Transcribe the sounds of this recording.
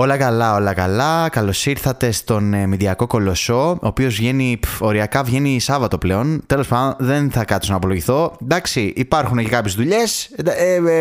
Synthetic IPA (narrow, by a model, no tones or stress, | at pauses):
o̞lɐkɐlɐo̞lɐkɐlɐkɐlo̞siɾθɐt̪e̞st̪o̞nmiðiɐko̞ko̞lo̞so̞oːpio̞zvʝe̞nio̞ɾiɐkɐvʝe̞nisɐvɐt̪o̞ple̞o̞nt̪e̞lo̞spɐðd̪onðe̞nθɐkɐt̪sonɐpo̞loʝiθo̞d̪ɐksiʔipɐɾxunecekɐpçezðuʎe̞sd̪